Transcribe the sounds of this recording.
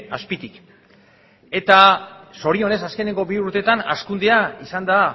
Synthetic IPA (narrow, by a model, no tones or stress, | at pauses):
aspit̪ik | e̞t̪aso̞ɾio̞ne̞saske̞ne̞ŋɡo̞biuɾt̪e̞t̪ana̰skund̪eaisand̪a